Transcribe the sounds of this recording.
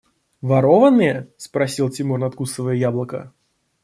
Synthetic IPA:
vɐɾovənɨjəspɾɐsʲilˠtʲɪmurnɐt̪kusəvəjəjablˠəkə̰

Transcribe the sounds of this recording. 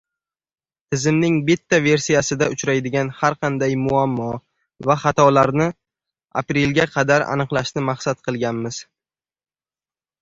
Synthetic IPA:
t̪ʰɪzɪmnɪŋbɪt̪ʰːave̞ɾsijasɪd̪aʊt͡ʃɾajd̪ɪɡʲanhaɾqʰɑnd̪ajmʊamːɒ | vaχat̪ʰɒlaɾnɪ | a̰pɾe̞lɡʲaqʰɑd̪aɾa̰nɨqlˠaʃnɪmaχsat̪̚qʰɨlˠɡʲanmɪz̥

